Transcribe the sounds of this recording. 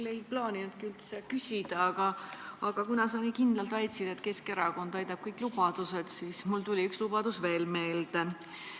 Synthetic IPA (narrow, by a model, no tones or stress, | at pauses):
lːe̞jplɑːnʲinud̪̥kiylt̪sekysʲid̪̥ɑɑɡ̥ɑɑɡ̥ɑkunɑsɑkikind̪̥lɑlt̪ɑjt̪sid̪̥et̪ke̞ske̞ɾɑko̞nd̪̥ɑjt̪ɑb̥kɤjkˑlub̥ɑd̪̥use̞d̪̥siːsmult̪ulʲiykslubɑd̪̥usve̞ːlme̞ːld̪̥e